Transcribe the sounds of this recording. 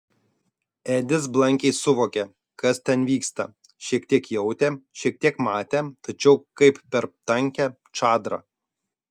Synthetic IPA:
æːd̪ʲɪsblˠɐŋʲkʲɛɪsʊʋoːkʲɛ | kɐst̪ʲɛnʋʲiːkst̪ɐ | ʃʲiɛkt̪ʲiɛkjɛʊt̪ʲeʃʲiɛk̚t̪ʲiɛkmɑːt̪ʲeːt̪ɐt͡ʃʲɛʊkɐɪppʲɛɾpt̪ɐŋʲkʲɛ | t͡ʃɑːd̪ɾɐ̰

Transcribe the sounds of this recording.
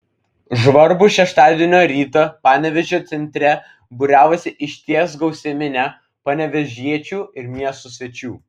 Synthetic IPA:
ʒʋɐɾbuːˑʃʲɛʃt̪ɑːd̪ʲiɛnʲoːɾʲiːt̪oːpɑːnʲɛʋʲɛʒʲoːt̪sʲɛnʲt̪ʲɾʲɛ | bʊɾʲæːʋɐsʲɪʔɪʃʲt̪ʲiɛs̬ɡɒʊsʲɛmʲɪnʲɛ | pɐnʲɛʋʲɛʒʲiɛt͡ʃʲuːɪɾmʲiɛst̪uːsʲʋʲɛt͡ʃʲuː

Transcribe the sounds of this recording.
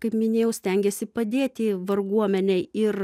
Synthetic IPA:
kɐɪpmʲɪnʲeːjɛʊsʲt̪ʲɛŋʲɡʲɛsʲɪpɐd̪ʲeːt̪ʲɪʋɐrɡuɔmʲɛnʲɛɪɪr

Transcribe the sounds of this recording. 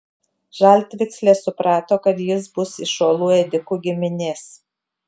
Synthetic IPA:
ʒɐlʲt̪ʲʋʲɪksʲlʲeːsʊpɾɑːt̪oːkɐt̪jɪs̬bʊsɪʃoːlˠuːɛd̪ʲɪkuːɡʲɪmʲɪnʲeːs

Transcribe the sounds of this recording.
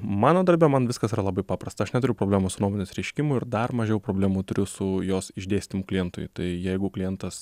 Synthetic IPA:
mɑːnoːd̪ɐɾʲbʲɛmɐnʋʲɪskɐsiːɾɐlˠɐbɐɪpɑːpɾɐst̪ɐɐʃnʲɛt̪ʊɾʲɛʊpɾoːbʲlʲæːmosʊnoːmoːnʲeːsɾʲɛɪʃʲkʲɪmʊɪɾd̪ɐrmɐʒʲɛjɛʊpɾoːbʲlʲæːmut̪ʊɾʲʊsʊjoːsɪʒʲd̪ʲeːsʲt̪ʲɪmʊklʲɪjɛnt̪ʊ̰jt̪ɐɪjɛɪɡʊklʲɪjɛnt̪ɐs

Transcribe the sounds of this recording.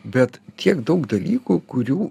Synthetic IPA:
bʲɛt̪t̪ʲiɛkd̪ɐʊkd̪ɐlʲiːkuːkʊɾʲuː

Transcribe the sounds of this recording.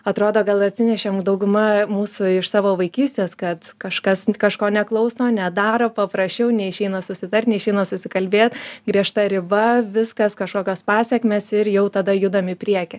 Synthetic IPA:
ɐt̪ɾoːd̪oːɡɐlˠɐt̪ʲsʲɪnʲɛʃʲemd̪ɐʊɡʊmɐmuːsʊɪʃsɑːʋoːʋɐɪkʲiːsʲt̪ʲeːskɐt̪kɐʃkɐskɐʃkoːnʲɛklˠɐʊsoːnʲɛd̪ɑːɾoːpɐpɾɐsʲt͡ʃʲɛʊnʲɛɪʃʲɛɪnosʊsʲɪt̪ɐrʲt̪ʲnʲɛɪʃʲɛɪnosʊsʲɪkɐlʲbʲeːt̪ɡɾʲiɛʃt̪ɐɾʲɪbɐʋʲɪskɐskɐʃkoːkʲoːspɑːsʲɛkʲmʲeːsɪɾjɛʊt̪ɐd̪ɐjʊd̪ɐmɪpʲɾʲiɛkʲɪ

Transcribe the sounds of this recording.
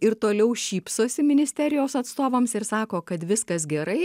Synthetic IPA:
ɪɾt̪oːlʲɛʊʃʲiːpsoːsʲɪmʲɪnʲɪsʲt̪ʲæɾʲɪjoːsɐt̪st̪oːʋɐmsɪɾsɑːkoːkɐt̪ʋʲɪskɐs̬ɡʲɛɾɐɪ

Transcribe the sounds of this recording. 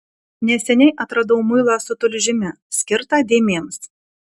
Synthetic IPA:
nʲɛsʲɛnʲɛɪʔɐt̪ɾɐd̪ɐʊmʊɪlˠɑsʊt̪ʊlʲʒʲɪmʲɛ | sʲkʲɪɾt̪ɑd̪ʲeːmʲeːms

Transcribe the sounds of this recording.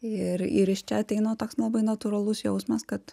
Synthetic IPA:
ɪɾɪ̰ɾɪʃt͡ʃʲɛɐt̪ʲɛɪnoːt̪oːkslˠɐbɐɪnɐt̪uɾɐlˠʊsjɛʊsmɐskɐt̪

